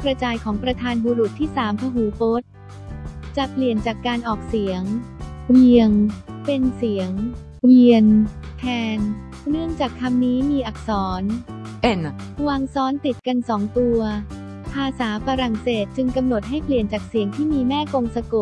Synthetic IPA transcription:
kɾa˧t͡ɕaː˧jkʰɔː˩˦ŋpɾa˧t̪ʰaː˧nbuː˧ɾu˨˩t̪ʰːiː˥˩saː˩˦mpʰa˧ɦuː˩˦po˦˥t̪̚ | t͡ɕa˨˩pli˨˩ənt͡ɕaː˨˩kːaː˧nʔɔː˨˩k̚si˨˩˦əŋɾi˧əŋpe˧nsi˩˦əŋ | wi˧ən | t̪ʰɛː˧n | nɯ˥˩əŋt͡ɕaː˨˩kkʰa˧mniː˦˥miː˧ʔa˨˩k̚sɔː˩˦n | waː˧ŋsɔː˦˥nt̪i˨˩t̪̚ka˧nsɔː˩˦ŋt̪u˧ɐ | pʰaː˧saː˩˦faː˧ɾa˨˩ŋseː˨˩t̪̚t͡ɕɯ˧ŋka˧mno˨˩t̪̚ɦa˥˩jpli˨˩ənt͡ɕaː˨˩k̚si˩˦əŋt̪ʰiː˥˩miː˧mɛː˥˩ko˧ŋsa˧ko˨˩

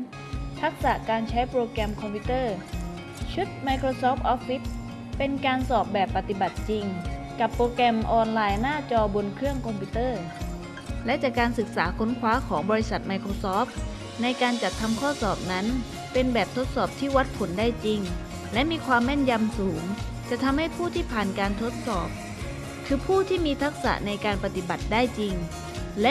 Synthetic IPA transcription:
t̪ʰa˦˥k̚sa˨˩kaː˧nt͡ɕʰa˦˥jpɾoː˧kɛ˧mkʰɔ˧mpʰi˦˥t̪ɤː˥˩ | t͡ɕʰu˦˥t̪̚ma˧jkʰɾoː˧sɔː˦˥p̚ʔɔ˦˥p̚fi˦˥t̪̚ | pe˧nkaː˧nsɔː˨˩p̚bɛː˨˩pːa˨˩t̪i˨˩ba˨˩t̪̚t͡ɕi˧ŋ | ka˨˩pːɾoː˧kɛ˧mʔɔː˧nlaː˧jnaː˥˩t͡ɕɔː˧bo˧nkʰɯ˥˩əŋkʰɔ˧mpʰi˦˥t̪ɤː˥˩ | lɛ˦˥ʔt͡ɕaː˨˩kːaː˧nsɯ˨˩k̚saː˩˦kʰo˦˥nkʰwaː˦˥kʰɔː˩˦ŋbɔː˧ɾi˦˥sa˨˩t̪̚ma˧jkʰɾoː˧sɔː˦˥p̚ | na˧jkaː˧nt͡ɕa˨˩t̪ʰːa˧mkʰɔː˥˩sɔː˨˩p̚na˦˥n | pe˧nbɛː˨˩p̚t̪ʰo˦˥t̪̚sɔː˨˩p̚t̪ʰiː˥˩wa˦˥t̪̚pʰo˩˦nda˥˩jt͡ɕi˧ŋ | lɛ˦˥ʔmiː˧kʰwaː˧mːɛː˥˩nja˧msuː˩˦ŋ | t͡ɕa˨˩ʔt̪ʰa˧mha˥˩jpʰuː˥˩t̪ʰiː˥˩pʰaː˨˩nkaː˧nt̪ʰo˦˥t̪̚sɔː˨˩p̚ | kʰɯː˧pʰuː˥˩t̪ʰiː˥˩miː˧t̪ʰa˦˥k̚sa̰˨˩na˧jkaː˧npa˧t̪i˨˩ba˨˩t̪̚daː˥˩jt͡ɕi˧ŋ | lɛ˦˥

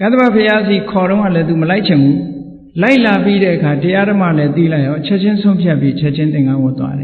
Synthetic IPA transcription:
ka˦d̪əba˦˨pʰəja˦zi˨kʰɔ˨ɾõ˦ʊ̃ŋa̰˦˨lɛ˦t̪u˨məla˦ɪʔt͡ɕʰɪ̃˨mbu˦ | la˦ɪʔla˨pi˦ɾɛ˦ʔəkʰa˨təja˦ɾəma̰˦˨lɛ˦t̪i˦˨la˦ɪʔɔ̃˨ʔət͡ɕʰɛ˦ʔt͡ɕʰɪ̃˦nsʰõ˦ʊ̃mpʰja˦pjḭ˦ʔət͡ɕʰɛ˦ʔt͡ɕʰɪ̃˦t̪ɪ̃˨ŋa˦wʊ˦˨t̪wa̰˦ɾɛ˨

